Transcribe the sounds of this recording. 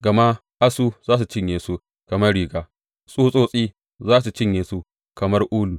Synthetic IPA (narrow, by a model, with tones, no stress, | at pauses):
ɡɐ˨ma˦ | ʔa˦suː˦zaː˦s̬u˨t͡ʃɪ˦ɲjeː˨su˦ | kɐ˨mɐ˦rɽiː˦˨ɡaː˦ | sʼuː˦sʼoː˦sʼiː˦ | zaː˦s̬u˨t͡ʃɪ˦ɲjeː˨su˦ | kɐ˨mɐ˦rʔuː˦luː˨